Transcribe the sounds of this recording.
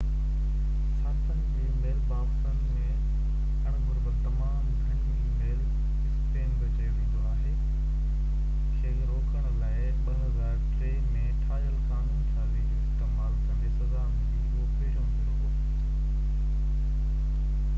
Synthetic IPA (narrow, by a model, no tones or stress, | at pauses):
sãːt̪ənd͡ʑeːmeːlbaːfsən | ẽ | kɐɽ̃ɡʱʊɾbəɾt̪ɐmaːmɡʱəɽ̃iːmeːl | ɪspeːnbʱɐt͡ɕeʋẽːn̆d̪oaːɦeː | kʰeːɾoːkəɽ̃ʊlaːɪ | pɐɦəzaːɾʈɾeːmẽʈʰaːʄəlkaːnənɪ̆kʰãːliːɪst̪eːmaːlkɐ̃ndesɐzaːnd͡ʑĩoːpeːɾõʋẽːd̪oː